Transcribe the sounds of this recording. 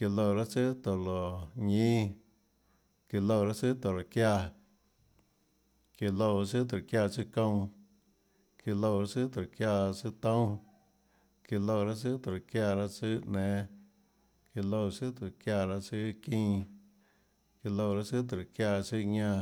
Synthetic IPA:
ki˧lo˧˨ɾa˦t͡sɨ˦t̪o˨lo˨ɲĩ˦ | ki˧lo˧˨˧ɾa˦t͡sɨ˦t̪o˨lo˨kja˧ | ki˧lo˧˨ɾa˧sɨ˦t̪̬kja˧˨t͡sɨ˦kõ˧w̃ | ki˧lo˧˨ɾa˧˦t͡sɨ˦t̪o˨kja˧˨t͡sɨ˦t̪õ˦ | ki˧lo˧˨˧ɾa˦sɨ˦t̪o˨ɾo˨kja˧˨ɾa˦t͡sɨ˦ʔnẽː˨˦ | ki˧lo˧˨sɨ˦t̪o˨kja˧ɾa˧t͡sɨ˦kĩ˦˧ | ki˧lo˧˨˧ɾa˦sɨ˦t̪̬kja˧˨si˦˧ɲã˧

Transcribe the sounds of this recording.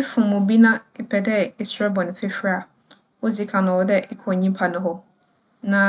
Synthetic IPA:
ɪ˦fʊ̃˨mʊ̃˨bi˦nã˦ɪ˨pʰɛ˨dɛ˦i˨sɾɛ˦bɔ̃˨nɪ̃˨fɪ˦fᶣɾa˨ | wɔ˦d͡zi˦kʰã˨nʊ̃˨wɔ˦dɛ˦ʔɪ˦kʰɔ˨ɲĩ˦mpʰa˨nʊ̃˨ɦɔ˦ | nã˨

